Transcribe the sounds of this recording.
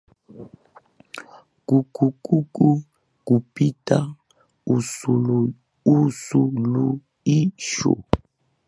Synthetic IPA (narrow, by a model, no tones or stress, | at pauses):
kukukuku | kupita | usulu | usulu | iʃɔ̰